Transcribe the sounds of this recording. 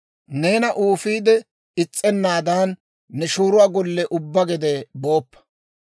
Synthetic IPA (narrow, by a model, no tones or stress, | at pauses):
neːnɐʔuːfiːd̪ɛ | ɪt͡sʼːɛnːaːd̪aːnː | ɛʃuːɾʊwaːɡɔlːɛʔʊbːɐɡɛd̪ɛboːpːɐ̥